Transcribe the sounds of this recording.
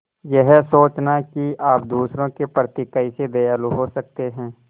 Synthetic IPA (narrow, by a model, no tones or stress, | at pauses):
jɛɦsoːt͡ʃnakiaːp̚d̪uːsɾõkepɾət̪ikəised̪ejaːluɦosək̚t̪eɦɛ̃ː